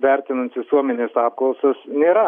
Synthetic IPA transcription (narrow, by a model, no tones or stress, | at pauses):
ʋʲæɾʲt̪ʲɪnɐnt̪ʋʲɪsuɔmʲɛnʲeːsɑːp̚klˠɐʊsɐsnʲeːɾɐ